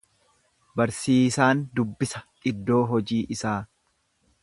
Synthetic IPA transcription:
bɐɾsiːsaːnd̪ʊbːɪsɐ̥ᶑɪd̪ːo̞ːɦɔd͡ʒiːʔɪsaː

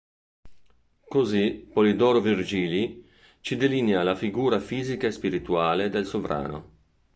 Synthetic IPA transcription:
kozipolid̪ɔːɾovird͡ʒiːli | t͡ʃid̪elinjalafiɡuːɾafiːzikaespiɾit̪uaːled̪elsovɾa̰ːno̰

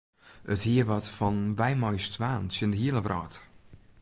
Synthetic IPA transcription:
əthiəʋɔtfɔnʋɛjmɔjstʰʋaːnsjəndəɦiəlˠəvrʔɔːt

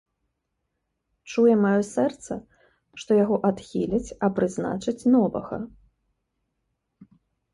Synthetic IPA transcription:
t͡ʂujɛmajɔsɛrt̪sɐ | ʂt̪ɔjaɣɔʔat̪xʲilʲɐt͡sʲɐpɾɨzna̰t͡ʂɐt͡sʲnɔvɐ̰ɣɐ̰

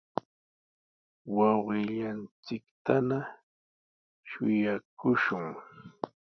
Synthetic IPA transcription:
wɑwɢɪʎant͡sɪkt̪ana | ʃʊjakʊʃʊŋ

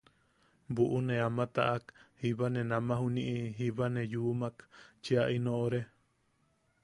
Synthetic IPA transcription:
buʔunẽamãt̪a̰ʔakhiβanẽnãmãɦunĩʔiɦiβanẽjumakt͡ʃiaʔinõʔoɾe

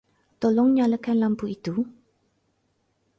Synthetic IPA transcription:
t̪olɔŋɲaləkanlampuit̪u

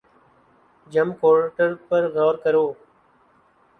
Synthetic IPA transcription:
d͡ʒəmkoːɾʈəɾpəɾɣɔːɾkəɾjoː

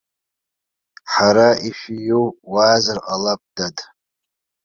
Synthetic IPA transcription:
ħaɾaiʃijuwwaːzarqʼalap̚ʼd̥adʼ

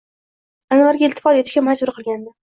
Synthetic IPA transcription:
anvaɾɡʲaɪlt̪ʰːɪfɒt̪et̪ɪ̥ʃkʲamad͡ʒbʊɾqʰɨlˠɡʲand̪ɪ

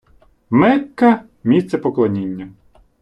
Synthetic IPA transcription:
mɛkːɐ | mʲist̪sɛpɔklˠɐnʲinʲːɐ

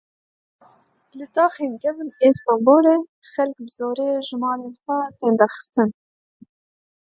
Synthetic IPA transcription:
lɨt̪ɑːxeːnɡɛvɨneːst̪ɑmboːɾeː | xɛlk̚bɨzoːɾeːʒɨmɑːɾeːnxɛt̪eːnd̪ɛɾxɨ̥st̪ɨn

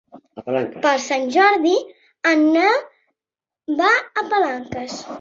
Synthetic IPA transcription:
plaŋkpəlˠsanʲʒɔɾði | ənːa | baəpəlaŋkəs

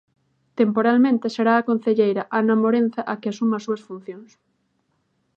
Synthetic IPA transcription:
t̪empoɾalmẽnt̪eseɾaːkon̟θeʎejɾɐʔanɐmoɾen̟θaʔakeasumasuɐsfun̟θjoŋs

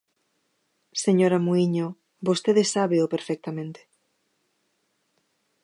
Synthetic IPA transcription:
seɲoɾamuiɲo | bost̪eðesːaβeʊpeɾfɛk̚t̪amẽnt̪e̥

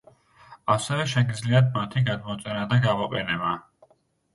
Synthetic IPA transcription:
asɛvɛʃɛɡid̪zliad̪̚mat̪ʰiɡad̪mɔt̪sʼɛɾad̪aɡamɔqʼɛnɛba

